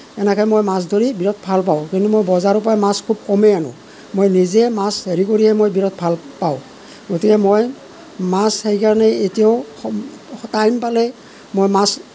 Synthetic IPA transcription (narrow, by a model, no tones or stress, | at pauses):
ɛnɛkʰɔjmojmas̬dʱoɹibiɹɔt̚ʰbʱalp̬aʊ̃kintumojbɔzaɹup̬ajmaskʰub̚kɔmɛanʊ̰̃ | mojnizɛmasheɹikoɹiɦɛmojbiɹɔt̚bʱalpaʊ̃ | ɡotikɛmoj | mashejkaɹɔnɛetijaʊ | tajmpalɛ | mojmas